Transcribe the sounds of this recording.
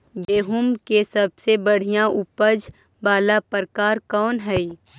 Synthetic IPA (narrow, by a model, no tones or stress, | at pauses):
beːɦʊmkesɐbsebəɽ̤ijãʔʊpəd͡ʒ | baːlapəɾkaːɾkɔːnɦɛi